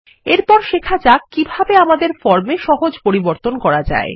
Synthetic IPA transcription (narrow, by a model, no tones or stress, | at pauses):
eɾpɔɾʃekʰad͡ʑakːibʱabeamad̪eɾfɔɾmeʃɔɦod͡ʑpoɾiboɾt̪onkɔɾad͡ʑa̰e